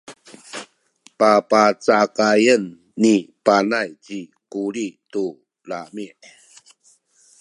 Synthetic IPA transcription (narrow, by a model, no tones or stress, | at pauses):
papat͡sakajənː | ipanajt͡ɕikuɾitu | lamiʔ